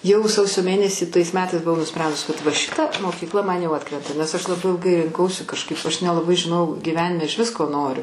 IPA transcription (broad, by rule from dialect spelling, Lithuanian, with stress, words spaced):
ˈjɛʊ ˈsɐʊsʲoː ˈmʲeːnʲɛsʲiː tɐɪs ˈmʲæːtɐɪs bʊˈʋɐʊ nʊˈsʲpʲrʲɛndʊs kɐt ʋɐ ˈʃʲɪtɐ moːkʲiːkˈlˠɐ ˈmɐn jɛʊ ˈɑːtkrʲɛntɐ nʲɛs ɐʃ lˠɐˈbɐɪ ɪlˠˈɡɐɪ rʲɪŋˈkɐʊsʲɪ kɐʃˈkɐɪp ɐʃ nʲɛlˠɐˈbɐɪ ʒʲɪˈnoːjɛʊ ɡʲiːˈʋʲæːnʲɪmʲɛ ɪʃʲˈʋʲɪs koː ˈnoːrʲʊ